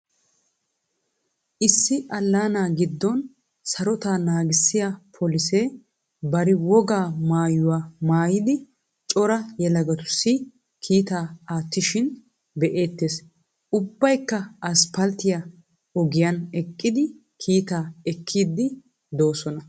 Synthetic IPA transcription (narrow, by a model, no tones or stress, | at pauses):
ʔɪsːɪʔɐlːaːnaːɡɪd̪ːɔn | sɐɾɔt̪aːnaːɡɪsːɪjapʰɔlɪseː | bɐɾɪwɔɡaːmaːjʊwaːmaːjɪd̪ɪ | t͡ʃʼɔɾɐjɛlɐɡɐt̪ʊ̥sːɪ | kʰiːt̪aːaːt̪ːɪʃɪn | bɛʔe̞ːt̪ːeːs | ʊbːɐjkːɐɐspɐlt̪ɪja | ɔɡɪjɐnɛkʼːɪd̪ɪ | kʰiːt̪aːɛkʰːiːd̪ːɪ | d̪o̞ːsɔnɐ